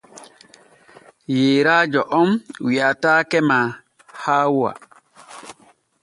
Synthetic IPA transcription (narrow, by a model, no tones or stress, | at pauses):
jeːɾad͡ʒɔʔɔmwiatakɛma | haːwua̰